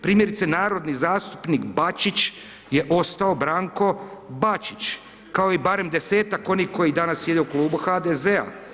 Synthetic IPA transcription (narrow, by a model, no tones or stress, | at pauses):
pɾiːmje̞ɾit̪senaːɾo̞d̪nizaːst̪u̥pnikbat͡ʃit͡ʃ | jeʔo̞st̪ao̞bɾaːŋko̞bat͡ʃit͡ʃ | kao̞ibaɾe̞md̪e̞se̞ːt̪ako̞niːko̞jid̪anasːje̞d̪euklˠuːbuxad̪ezea̰